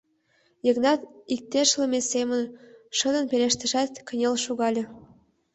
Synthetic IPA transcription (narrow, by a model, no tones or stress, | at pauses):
jə̆ɣnɑt̪ik̚t̪eʃləmʲesemə̆nʃɤ̆d̪ə̆npelʲeʃt̪ə̆ʃæt̪kə̆nʲelʃuɣɑlʲĕ